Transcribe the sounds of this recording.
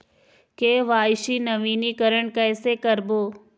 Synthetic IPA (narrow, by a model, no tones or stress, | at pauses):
keːʋaːʃinɐʋiːnikəɾəɽ̃kɛːsekəɾboː